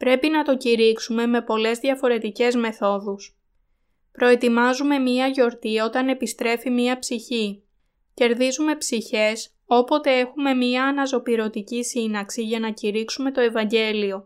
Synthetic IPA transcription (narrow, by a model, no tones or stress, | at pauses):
pɾe̞pinɐt̪o̞ciɾiksume̞me̞po̞le̞zðʝɐfo̞ɾe̞t̪ice̞zme̞θo̞ðus | pɾo̞e̞t̪imɐzume̞miɐʝo̞ɾt̪io̞t̪ɐne̞pist̪ɾe̞fimiɐpsiçi | ce̞ɾðizume̞psiçe̞s | o̞po̞t̪e̞e̞xume̞miɐːnɐzo̞piɾo̞t̪icisinɐksiʝɐnɐciɾiksume̞t̪o̞e̞vɐɲɟe̞lio̞